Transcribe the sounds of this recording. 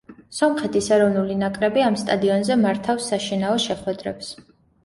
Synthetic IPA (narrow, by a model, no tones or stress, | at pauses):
sɔmχɛt̪ʰisɛɾɔvnulinakʼɾɛbiamst̪ʼad̪iɔnzɛmaɾt̪ʰafsːaʃinaɔʃɛχwɛd̪ɾɛps